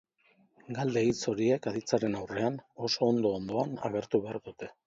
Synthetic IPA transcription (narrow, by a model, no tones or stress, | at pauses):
ɡald̪e̞it͡so̞ɾie̞kaðit͡saɾe̞nawre̞ano̞so̞ːnd̪o̞ːnd̪o̞ana̰ɣe̞ɾt̪uβe̞aɾðut̪e̞